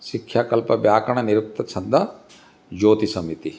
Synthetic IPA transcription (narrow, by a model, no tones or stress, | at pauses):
sikʰːjaːkɐlpɐbjaːkɐɳ̃ɐniɾuk̚t̪ɐt͡ʃʰɐnd̪ʱɐ | d͡ʒoːt̪isɐmit̪i